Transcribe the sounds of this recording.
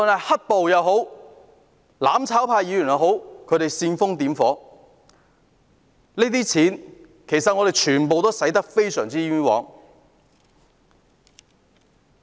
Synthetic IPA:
tɔ˨nɐ˨˩hɐ˥t̚po˨wjɐ˨˧wɦo˨˥w | laː˨˥mt͡sʰaː˨˥wpʰaː˧jiː˨˧jyː˨˩jɐ˨wɦo˨˥wkʰɵ˨˧˥t̪e˨˩jsiː˧nfʊ˥ŋt̪iː˨˥mfɔː˨˥ | liː˥t̪iː˥t͡sʰiː˨˥n | kʰe˨˩jsɐ˨ŋɔ˨˧ɾe˨jt͡ʃʰyː˨˩npo˨wt̪o˥wsɐ˨˥jt̪ɐ˥k̚fe˥jsœ̰ː˨˩ŋt͡siː˥y˥wɔ̰ː˨˥ŋ

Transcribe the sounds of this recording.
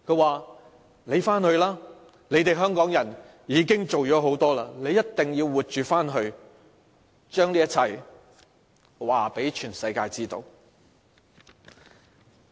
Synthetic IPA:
kʰɵ˧ɥwaː˨˩ | ne˨˧jfaː˥nhɵ˧ɥlaː˥ | ne˨˧jt̪e˨jɦœː˥ŋkɔː˨˥ŋjɐ˨˩n | jiː˨˧˥kɪ˥ŋt͡so˨wt͡ʃɔː˨˥ɦo˨˥wt̪ɔː˥laː˧ne˨˧jːɐ˥t̚t̪ːɪ˨ŋjiː˧wwuː˨t̚t͡ʃyː˨faː˥nɦɵ˧ɥ | t͡ʃœː˥ŋliː˥jɐ˥t̚t͡sʰɐ˨˩j | waː˨˩pe˨˥jt͡ʃʰyː˨˩nsɐ˧jkaː˧jt͡siː˥t̪o̰˧w

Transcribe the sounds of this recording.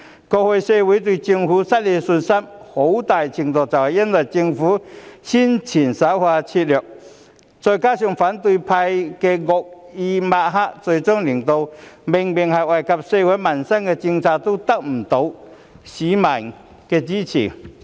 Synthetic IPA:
ko˧hwe˧jse˧wi˨˧˥t̪wi˧t͡ɕi˧ŋfu˨˦sa˦t̚le˧su˧nsa˥mho˨˥wt̪a˨˩jt͡ɕʰi˧ŋt̪ɔ˨˧˩t͡sa˨˩wji˥ndwa˨˩jt͡ɕi˧ŋfu˨˦ɕi˥nt͡ɕʰi˨˩nsa˨˧˥hwa˧t͡ɕʰi˧t̚ljɔ˨˩k̚ | t͡sɔ˧˩jkaː˦ɕju˧ŋfa˨˦nt̪̬wu˧pʰa˧jke˧ɣɔ˨˧k̚i˧ma˧ɦa˥ʔt͡so˧jt͡sɔ˥ŋli˨˩ŋt̪o˧wme˧ŋbi˧˩ŋha˨˩wa˨˩jka˧p̚se˧we˨˦˥ma˨nsa˥nke˧t͡ɕi˧ŋt͡sʰa˧t̪u˥t̪a˦˩k̚m̩˨˩t̪o˧˥w | ɕi˨˦ma˨˩n | ke˧t͡ɕi˦˥t͡ɕʰḭ˨˩

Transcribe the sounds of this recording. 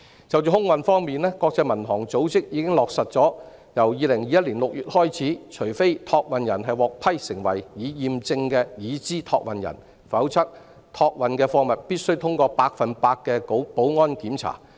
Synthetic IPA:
t͡sɐ˨wt͡ʃyː˨˧hʊ˥ŋwɐ˨nfɔː˥ŋmiː˨nlɛː˥kɔː˧k̚t͡sɐ˧jmɐ˨˩nt̪ʰɔː˨˩ŋt͡so˨˥wt͡sɪ˥k̚jiː˨˧kɪ˥ŋlɔː˨k̚sɐ˨t̚t͡sɔː˨˥ | jɐ˨˩wjiː˨˧lɪ˨˩ŋjiː˨˧jɐ˥t̚liː˨˩nlʊ˨k̚jyː˨t̚hɔː˥jt͡sʰiː˨˥t͡ʃʰɵ˨˩jfe˥jt̪ʰɔː˧k̚wɐ˨njɐ˨˩nɦɐ˨jwɔː˨k̚pʰɐ˥jsɪ˨˩ŋwɐ̰˨˩jjiː˨˧jiː˨mt͡sɪ˧ŋkɛː˧jiː˨˧t͡siː˥t̪ʰɔː˧k̚wɐ˨njɐ̰˨˩n | fɐ˨˥wt͡sʰɐ˥k̚ | t̪ʰɔː˧k̚wɐ˨nkɛː˧fɔː˧ŋmɐ˨t̚piː˥t̚sɵ˥wt̪ʰʊ˥ŋkɔː˧paː˧k̚fɐ˨npaː˧k̚kːɛː˧kpo˨˥wŋɔː˥nkiː˨˥mt͡sʰa̰ː˨˩

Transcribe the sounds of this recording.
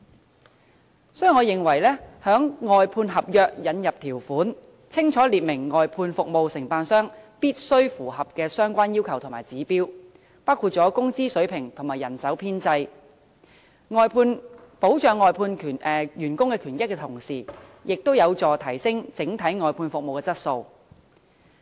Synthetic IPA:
sɔː˨˥jy˨˩ŋɔː˨˧jɪ˨˩ŋwɐ˨˩jlɛː˥hœː˨˥ŋŋɔː˨jpʰuː˧nɦɐ˨p̚jœː˨k̚jɐ˨˧njɐ˨p̚t̪ʰiː˨˩wfuː˨˥n | t͡sʰɪ˥ŋt͡sʰɔː˨˥liː˨t̚mɪ˨˩ŋːɔː˨jpʰuː˧nfʊ˨k̚mo˨˧wsɪ˨˩ŋpaː˧nsœː˥ŋpiː˥t̚sɵ˥ɥfuː˨˩hɐ˨p̚kɛː˧sœː˥ŋkʷaː˥njiː˥wkʰɐ˨˩wt̪ʰmaː˨˩jt͡siː˨˥piː˥w | paː˥wkʰu˨˧t̚t͡sɔː˨˥kʊ˥ŋt͡siː˥sɵ˨˥ɥpʰɪ˨˩ŋt̪ʰʊ˨˩maː˨˩jɐ˨˩nsɐ˨˥wpʰiː˥nt͡sɐ˧j | ŋɔː˨jpʰuː˧n | po˨˥wt͡ʃœː˨ŋːɔː˨jpʰuː˧nkʰyː˨˩nʔɛː˨˩jyː˨˩nkʊ˥ŋkɛː˧kʰyː˨˩njɪ˥kːɛ˧t̪ʰʊ˨˩ŋsiː˨˩jɪ˨k̚t̪o˥wjɐ˨˧wt͡sɔː˨t̪ʰɐ˨˩jsɪ˥ŋt͡sɪ˨˥ŋt̪ʰɐ˨˥jŋɔː˨jpʰuː˧nfʊ˨k̚mo˨wkɛː˧t͡sɐ˥t̚so˧w

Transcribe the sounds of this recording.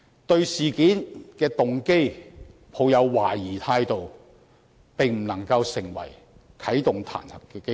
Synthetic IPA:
t̪ɵ˧ɥsiː˨˩kiː˨˥nkɛː˧t̪ʊ˨ŋke˥jpʰo˨˧wjɐ˨˧wwa̰ː˨˩jiː˨˩t̪ʰaː˧jt̪o˨w | pe˨ŋm̩˨˩nɐ˨˩ŋkɐ˧wsɪ˨˩ŋwɐ̰˨˩j | kʰɐ˨˥jt̪ʊ˨ŋt̪ʰa̰ː˨˩nhɐ˨p̚kkɛ˧

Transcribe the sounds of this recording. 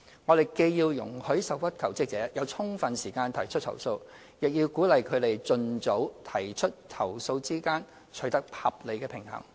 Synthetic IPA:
ŋɔ˨˧ɾe˨jke˧jjiː˧wjʊ̰˨˩ŋhɵ˨˥ɥsɐ˨wfɐ˥t̚kʰɐ˨˩wt͡sɪ˥k̚t͡sɛː˨˥jɐ˨˧wt͡sʰʊ˥ŋfɐ˨nsiː˨˩kaː˧nt̪ʰɐ˨˩jt͡ʃʰɵ˥t̚t̪ʰɐ̰˨˩wso˧w | jɪ˨k̚jiː˧wkuː˨˥lɐ˨jkʰɵ˨˧ɥt̪e˨jt͡sɵ˧nt͡so˨˥wt̪ʰɐ˨˩jt͡ʃʰɵ˥t̚t̪ʰɐ˨˩wso˧wt͡siː˥kaː˥n | t͡ʃʰɵ˨˥ɥt̪ɐ˥k̚pʰɐ̰˨p̚le˨˧jkɛː˧pʰɪ˨˩ŋhɐ̰˨˩ŋ

